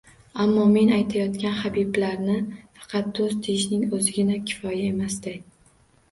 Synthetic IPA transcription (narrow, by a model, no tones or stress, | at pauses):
amːɒme̞najt̪ʰajɒt̪kʲanχabiblaɾnɪfɑ̥qʰɑt̪̚d̪̥ozt̪ʰeʃnɪŋɵzɪɡʲɪnakʲʰɪ̥fɒjaemasd̪ɪ